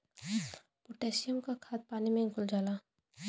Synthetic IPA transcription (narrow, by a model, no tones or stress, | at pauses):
pʊʈeːsijəmkakʰaːt̪̚paːnimẽɪŋkʊld͡ʒaːla